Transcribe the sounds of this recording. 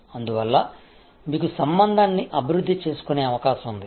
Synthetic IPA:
ɐnd̪uʋɐlːɐ | miːkusɐmbɐnd̪ʱaːnːiʔɐbʱiɾud̪ʱːit͡ʃe̞ːsu̥kune̞ːɐʋɐkaːʃɐmund̪i

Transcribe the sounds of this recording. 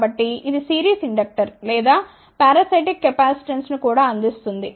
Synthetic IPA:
bɐʈːiːðisiːɾiːsiɳɖɐk̚ʈɐɾlɛːd̪aː | paːɾɐsɐʈikːɐpaːsi̥ʈɐnsnukuːɽaːɐnd̪ist̪und̪i

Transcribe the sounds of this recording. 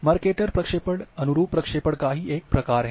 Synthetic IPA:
maːɾkeʈəɾpɾɐkʂepəɽənuɾuːpɾəkʂepəɽkaɦiːʔek̚pɾəkaɾɦɛ

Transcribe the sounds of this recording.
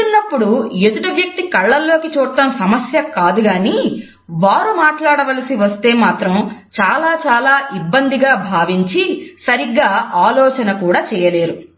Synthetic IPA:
unːɐpːuɽujed̪uɽɐʋjɐk̚t̪ikɐɭːɐlːo̞ːkit͡ʃuːɽt̪ːɐmsɐmɐsjɐkaːd̪uɡaːni | ʋaːɾumaːʈlaːɽɐʋɐlɐsiʋɐst̪e̞ːmaːt̪ɾɐmt͡ʃaːlaːt͡ʃaːlaːʔibːɐnd̪iɡaːbʱaːʋiɲt͡ʃisɐɾiɡːaːaːlɔːt͡ʃɐnɐkuːɽaːt͡ʃɛːjɐle̞ːɾu

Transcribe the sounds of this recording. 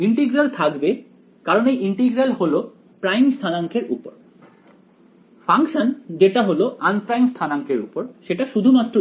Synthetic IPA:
iɳʈiɡɾalt̪ʰakbe | kaɾonejʔiɳʈiɡɾalholo | pɾajmst̪ʰanaŋkʰeɾṵpo̰ɾ | faŋkʃand͡ʑeʈaɦoloʔanpɾajmst̪ʰanaŋkʰeɾupoɾʃeʈaʃud̪ʱumat̪ːɾo

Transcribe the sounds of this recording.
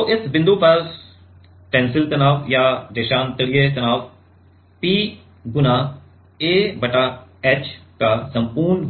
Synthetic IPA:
toʔɪsbɪ̃nd̪uːpɛːs | ʈɛ̃ːnsɪlt̪ɐnaːʋjaːd͡ʒeːʃaːnt̪ɐɽijet̪ɐnaːʋ | piː | ɡʊna | eːbɐʈaɛːt͡ʃkasɐ̃mpuːɾn

